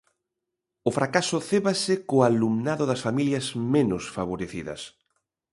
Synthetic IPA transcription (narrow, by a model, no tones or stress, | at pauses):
ʊfɾʔakasʊθeβasɪkoalumnaðʊðɐsfamiljɐsmẽnʊsfaβ̞oɾeθiðɐ̰s